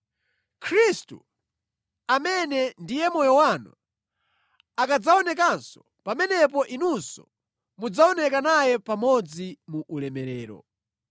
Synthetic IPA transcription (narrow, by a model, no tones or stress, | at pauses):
kʰɾistṵ | amɛnɛndijɛmɔjɔwanṵ | akad͡zaɔnɛkansɔ̥ | pamɛnɛpɔʔinunsɔ | mud͡zaɔnɛkanajɛpamɔd͡zimuʔulɛmɛɾɛːɾɔ̰